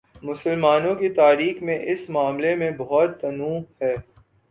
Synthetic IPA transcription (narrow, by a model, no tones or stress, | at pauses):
mʊsəlmaːnõkit̪aːɾiːxmẽʔɪsmaːmlemẽbɐɦɔt̪ːɐnũːhɛː